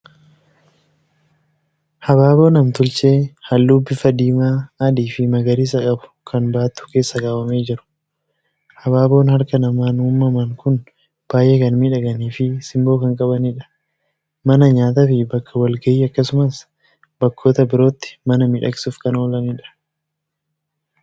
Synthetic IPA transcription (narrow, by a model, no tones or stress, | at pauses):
hɐbaːbo̞ːnɐmt̪ʊlt͡ʃʼe̞ːhɐlːubːɪfɐd̪iːmaːd̪iːfɪmɐɡɐɾiːs̬ɐkʼɐbʊ̥kʰɐnbaːt̪ːʊ̥ke̞ːsːɐkaːwɐme̞ːd͡ʒɪɾʊ̥ | hɐbaːbo̞ːnhɐɾkɐnɐmaːnuːmːɐmɐŋkʊn | b̥aːjʔeːkɐnmiːᶑɐɡɐniːfɪsɪmbo̞ːkɐŋkʼɐbɐniᶑɐ̥ | mɐnɐɲaːt̪ɐfɪbɐkʰːɐwɐlɡɐiːɐkːɐsʊmɐs | b̥ɐkːo̞ːt̪ɐbɪɾo̞ːt̪ːɪ̥mɐnɐmɪᶑɐkʼɪsuːfkɐno̞ːlɐmiᶑɐ̥